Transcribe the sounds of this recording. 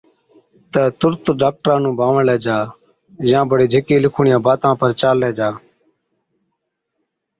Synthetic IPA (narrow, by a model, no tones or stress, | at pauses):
t̪əːt̪ʊɾt̪ɖaːk̚ʈɾãːnũːbʱaːʋəɳlɛːd͡ʒaː | jãːbəɽeːd͡ʒʱekeːlɪkʰuːɳɪjãːbaːt̪ãːpəɾt͡ʃaːlːɛːd͡ʒaː